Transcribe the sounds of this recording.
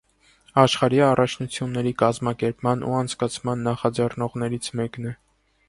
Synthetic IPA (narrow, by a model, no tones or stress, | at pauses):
ɑʃχɑɾiɑrʔɑt͡ʃʰnut͡sʰjunːɛɾikɑzmɑkɛɾpmɑnʔṵɑnt͡sʰkɑt͡sʰmɑnːɑχɑd͡zɛrnɔʁnɛɾit͡sʰmɛknɛ